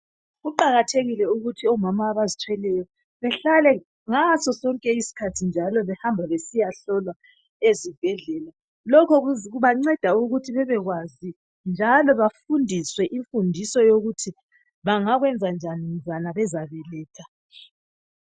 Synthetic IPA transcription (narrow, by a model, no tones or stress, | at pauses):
ɣuǃaɣatʰeɣilɛuɣutʰiɔmamaːβazitʰwɛlɛjɔ | βɛɬalɛ | ŋasɔsɔŋkʼɛisi̥kʰatʰind͡ʒʱalɔβɛhambʱaβesijaɬɔlwa | ezib̥ʱɛɮɛːla | lɔkʰɔɣuɣuβaŋ͡ǀɛd̥ʱauɣutʰiβɛβɛɣwazi | nd͡ʒʱalɔβafundʱiswɛʔiɱfundʱisɔjoɣutʰi | βaŋaɣwɛnd͡zʱand͡ʒʱanim̩d͡zʱanaβɛzaβɛlɛːtʰa